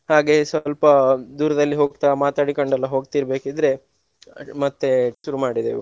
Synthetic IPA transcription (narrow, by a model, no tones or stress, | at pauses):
haːɡe̞sʋɐlpɐd̪uːɾɐd̪ɐlːiɦo̞ːɡt̪aːmaːt̪aːɽikoɳɖɐlːɐɦo̞ːɡt̪iɾbe̞ːkid̪ɾe̞ | mɐt̪ːeʃuɾumaːɽid̪ḛ